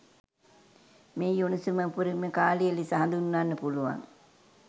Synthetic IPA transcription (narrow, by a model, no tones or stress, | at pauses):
meːjunusuməpuɾiməkaːlijəlisəɦand̪unːanːəpuluʋa̰ŋ